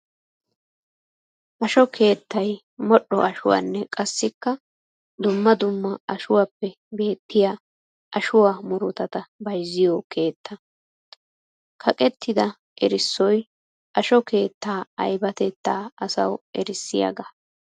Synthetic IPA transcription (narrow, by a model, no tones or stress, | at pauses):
ʔɐʃɔkʰe̞ːt̪ːɐj | mɔɗːɔʔɐʃʊwa̰ːnːɛkʼɐsːɪkːɐ | d̪ʊmːɐd̪ʊmːɐɐʃʊwaːpːɛ | be̞ːt̪ːɪjaː | ʔɐʃʊwaːmʊɾʊt̪ɐt̪ɐbɐjzːɪjɔkʰe̞ːt̪ːɐ | kʰɐkʼɛt̪ːɪd̪ɐ | ʔɛɾɪsːɔj | ʔɐʃɔke̞ːt̪ːaːɐ̰jbɐt̪ɛt̪ːaːɐsɐ̰wʔɛɾɪsːɪjɐ̰ɡɐ